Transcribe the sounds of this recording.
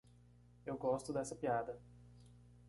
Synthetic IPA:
ewɡɔst̪ʊd̪ɛsɐpiad̪ɐ

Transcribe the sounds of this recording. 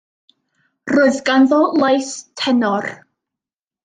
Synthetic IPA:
roːɨðɡanðɔlˠajθtʰɛnɔr

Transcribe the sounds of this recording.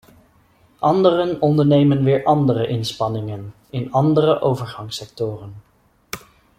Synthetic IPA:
ʔɑndərənɔndəɹnejmənʋɪːɹʔɑndərəʔɪnspɑnɪŋən | ɪnɑndərəʔowvəɹχɑŋsɛk̚tʊːrən

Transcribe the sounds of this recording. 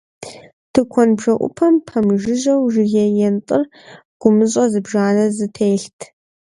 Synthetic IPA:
tʰɨkʷʰɔnbʒɐʔʷʼʊ̰pʰɐmpʰɐmʒɪʑɐwʒɪɣɛjɛntʼɨr | ɡ̥ʷʊmɨɕ̬ʼɐzɨbʒaːnɐzɨtʰeːɬtʰ

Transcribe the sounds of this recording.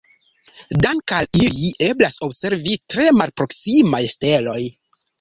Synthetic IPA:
daŋkaliliʔe̞blaso̞bse̞ɾvitɾe̞malpɾo̞ksimajste̞lo̞j

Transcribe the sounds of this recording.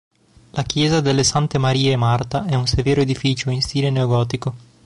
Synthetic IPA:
lakjɛːzad̪elːesant̪emaɾiːemart̪aʔɛunseveːɾoed̪ifiːt͡ʃoinst̪iːleneoɡɔːt̪iko

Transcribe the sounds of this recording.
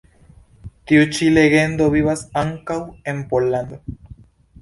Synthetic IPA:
t̪iut͡ʃile̞ɡe̞nd̪o̞βiβasaŋkawe̞mpolːand̪o

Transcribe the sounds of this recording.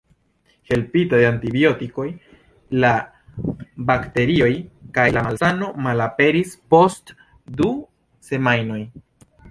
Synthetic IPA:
he̞lpitajantibjo̞tiko̞j | la | bakte̞ɾio̞jkajlamalsano̞malape̞ɾispo̞st | du | se̞majno̞j

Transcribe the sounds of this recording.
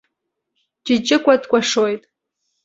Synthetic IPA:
d͡ʒɪd͡ʒʼɪkʷʼadkʷʼaʂojtʼ

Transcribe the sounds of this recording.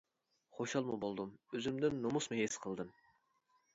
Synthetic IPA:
χoʃɑlˠmubolˠd̪umøzymd̪ɪnːomusmʊɦesqʰəlˠd̪ɨm

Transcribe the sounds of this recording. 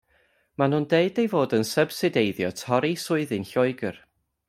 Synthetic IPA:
manundeɨdejvoːdənsəb̥sɪdejðjɔtʰɔɾisʊɨðɨnɬɔɨɡər

